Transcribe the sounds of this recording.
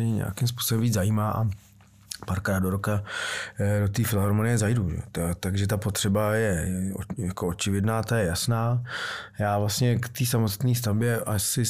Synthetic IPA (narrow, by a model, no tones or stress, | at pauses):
ɲɲɛ̰a̰kɪms̬pu̥ːsobɛmviːzajiːmaːʔa̰ | paːɾkɾaːd̪̚do̞ɾoka | do̞t̪iːfɪlɦoɾmonɪjɛzajduʒɛ̰ot̪aɡʒɛt̪apo̞t̪r̥ɛbajɛojakoot͡ʃɪvɪdnaːt̪ajɛjasnaːjaːvlast̪ɲɛkt̪iːsamost̪niːst̪avbjɛʔasɪ